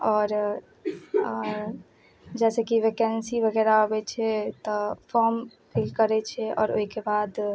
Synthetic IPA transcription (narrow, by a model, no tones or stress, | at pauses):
ɔːɾ | d͡ʒɛsekiʋekɛnsibʱəɡɛɾaobɛt͡ʃʰɛt̪ɔfʰɔɾm | pʰilkəɾɛt͡ʃʰɛɔ̰ːɾoɦikebad̪